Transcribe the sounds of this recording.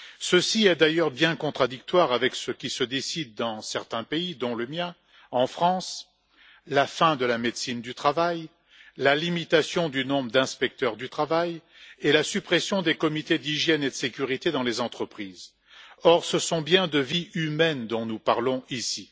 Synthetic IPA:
səsiɛd̪ajœʁbjɛ̃kɔ̃t̪χad̪ikt̪waʁavɛksəkʲisəd̪esid̪ːɑ̃sɛʁt̪ɛ̃peid̪ɔ̃ləmjɛ̃ | ɑ̃fχɑ̃s | lafɛ̃d̪əlamed̪sind̪yt̪χavaj | lalimit̪asjɔ̃d̪ynɔ̃bʁəd̪ɛ̃spɛk̚t̪œʁd̪yt̪χavaj | elasypχesjɔ̃d̪ekɔmit̪ed̪iʒjɛned̪əsekʲyʁit̪ed̪ɑ̃lezɑ̃t̪χəpχiːz | ɔʁsəsɔ̃bjɛ̃d̪əviymɛnd̪ɔ̃nupaʁlɔ̃isi

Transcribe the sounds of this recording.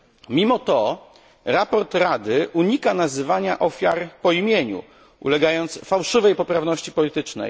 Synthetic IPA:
mʲimɔt̪ɔ | ɾapɔɾt̪ɾad̪ɘʔuɲikanazɘvaɲaʔɔfʲjaɾpɔimʲjeɲṵ | ṵlɛɡajɔnt̪sfawʂɘvɛjpɔpɾavnɔɕt͡ɕi̥pɔlʲit̪ɘt͡ʂnɛ̰j

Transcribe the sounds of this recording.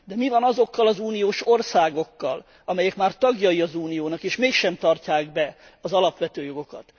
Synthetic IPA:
d̪ɛmivɒnɒzo̞kːɒlɒzuːnijoːʃo̞rsaːɡo̞kːɒ̰l | ɒmɛjɛkmaːrt̪ɒɡjɒjiɒzuːnijoːnɒkeːʃmeːkʃɛmt̪ɒrcaːɡbɛ | ɒzɒlɒpʋɛt̪øːjo̞ɡo̞kɒ̰t̪

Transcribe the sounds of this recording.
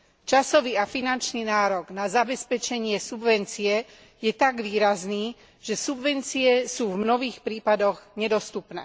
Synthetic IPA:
t͡ʃasɔʋiːafinant͡ʃniːnaːɾɔɡnazabɛspɛt͡ʃɛɲɪɛsubʋɛnt͡siɛ | jɛt̪aɡʋiːɾazniː | ʒ̥ɛsubʋɛnt͡siɛsuːvmnɔɦiːxpɾiːpad̪ɔɣɲɛd̪ɔst̪upnɛ̰ː

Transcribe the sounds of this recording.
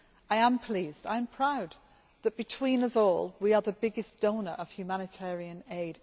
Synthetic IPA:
aɪə̃mpʰl̥iːzda̰ɪə̃mpʰɹ̥aʊd̪̚ | ðəʔ̚b̥ɨtʰw̥ĩnʌsɔːlˠwiə˞ðəbɪɡɪsd̥õʊ̃nə˞ʔəv̥hjʉmanɪtʰɛːɹiə̃neɪd̥

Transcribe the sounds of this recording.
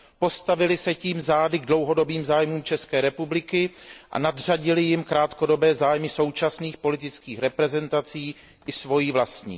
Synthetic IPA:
po̞st̪avɪlɪsɛciːmzaːdɪɡdlo̞wɦo̞do̞biːmzaːjmuːmt͡ʃɛskɛːɾɛpublɪkɪʔa̰nadr̝aɟɪlɪjɪmkɾaːt̪ko̞do̞bɛːzaːjmɪso̞wt͡ʃasniːxpo̞lɪt̪ɪt͡skiːxɾɛpɾɛzɛnt̪at͡siː | ʔɪsvo̞jiːvlast̪ɲḭː

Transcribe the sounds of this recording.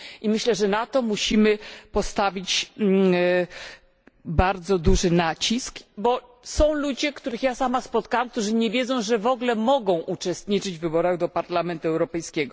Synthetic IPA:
ʔimɘɕlɛʐɛnat̪ɔmuɕimɘpɔst̪avʲit͡ɕ | baɾd̪zɔd̪uʐɘnat͡ɕiskbɔ | sɔ̃w̃lud͡ʑɛkt̪uɾɘxjasamaspɔt̪kawamk̚t̪uʐɘɲɛvʲjeɛd̪zɔ̃w̃ʐɛvɔɡlɛmɔɡɔ̃w̃ʔut͡ʂɛst̪ɲit͡ʂɘd͡ʑvɘbɔɾaɣd̪ɔpaɾlamɛnt̪uɛwɾɔpɛjskʲɛɡɔ

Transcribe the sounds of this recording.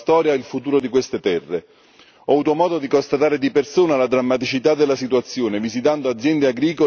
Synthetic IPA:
t̪ɔːɾjailfut̪uːɾod̪ikwest̪et̪ɛrːe | ɔvuːt̪omɔːd̪od̪ikost̪at̪aːɾed̪ipersuːnalad̪ɾamːat̪it͡ʃit̪ad̪ːelːasit̪uat̪sːjoːnevizit̪and̪oad̪zːjɛnd̪eaɡɾiːko

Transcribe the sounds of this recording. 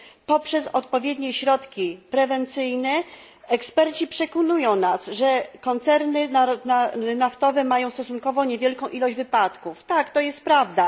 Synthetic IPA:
pɔpʂɛsɔt̪pɔvʲjɛd̪ɲɛɕɾɔt̪kʲipɾɛvɛnt̪sɘjnɛ | ɛkspɛɾt͡ɕipʂɛkɔnujɔ̃w̃nasʐɛkɔnt̪sɛɾnɘananaft̪ɔvɛmajɔ̃w̃st̪ɔsuŋkɔvɔ̃ɲevʲjɛlkɔ̃w̃ʔilɔʑd͡ʑvɘpat̪kuft̪akt̪ɔjɛst̪̚pɾavd̪a

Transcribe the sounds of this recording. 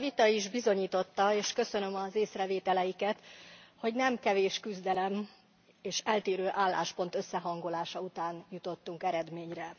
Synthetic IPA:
vit̪ɒiʒbizo̞ɲiːt̪o̞t̪ːɒeːʃkø̞sø̞nø̞mɒzeːsrɛveːt̪ɛlɛjikɛt̪ho̞ɟnɛmkɛveːʃkyzd̪ɛlɛm | eːʃɛlt̪eːɾøːʔaːlːa̰ːʃpo̞nt̪ø̞sːɛɦɒŋɡo̞laːʃɒut̪aːnjut̪o̞t̪ːuŋkɛɾɛd̪meːɲrɛ

